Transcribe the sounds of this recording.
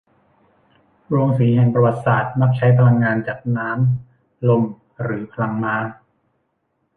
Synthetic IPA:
ɾoː˧ŋsiː˩˦ɦɛ˨˩ŋpɾa˧wa˨˩t̪̚saː˨˩t̪̚ma˦˥˩k̚t͡ɕʰa˦˥jpʰa˧la˧ŋːaː˧nt͡ɕaː˨˩k̚naː˦˥m | lo˧m | ɾɯː˩˦pʰa˧la˧ŋmaː˦˥

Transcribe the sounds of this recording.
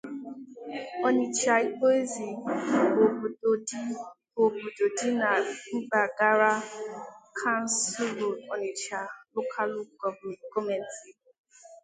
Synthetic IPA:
ɔ˦ni˨t͡ʃa˨i˦k͡po˦e˦zi˨o˨˦ | o˨bu˨do˨di˦na˨ŋ͡m̩˦ɡ͡ba˨ɡa˦ɾa˦ | kʰa˦n̩˦su˦lo˨ɔ˨nɪ˨t͡ʃa˨lo˦kʰa˦lʊ˦˨kɔ˦me˨n̩˦ti˨

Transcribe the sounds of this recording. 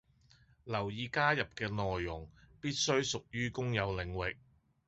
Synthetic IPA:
lɐ˨˩wjiː˨˧kaː˥jɐ˨p̚kɛː˧nɔː˨jːʊ˨˩ŋpiː˥t̚sɵ˥ɥsʊ˨k̚jyː˥kʊ˥ŋjɐ˨˧wlɪ˨˧ŋwɪ˨k̚

